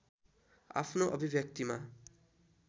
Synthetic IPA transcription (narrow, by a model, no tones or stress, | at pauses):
a̰pʰnoʔʌbʱibʱjʌk̚t̪ima